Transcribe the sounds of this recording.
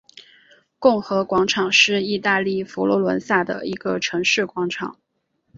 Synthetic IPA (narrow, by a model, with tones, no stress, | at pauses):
kʊ˥˩ŋxɤ˧˥kwɑ˧˥ŋʈ͡ʂʰɑ˨˩ŋʂɻ̩˥˧i˥˧t̪a˥˧li˥˩fu˧˥lɔ˧˥lwə̰˧˥nsa˥˩d̪ə̰˩i˧˥ɡ̥ə˧ʈ͡ʂʰɤ˧˥ŋʂɻ̩˥˩kwɑ˧˥ŋʈ͡ʂʰɑ̰˨˩˦ŋ